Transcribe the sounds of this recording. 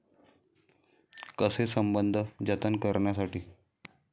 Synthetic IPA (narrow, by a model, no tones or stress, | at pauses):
kəsesəmbənd̪ʱəd͡ʑət̪ənkəɾɳjasaʈiː